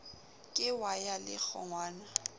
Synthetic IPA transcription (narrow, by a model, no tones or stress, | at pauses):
kʼɪwajalɪ̰k͡xʰɔ̰ŋwaːna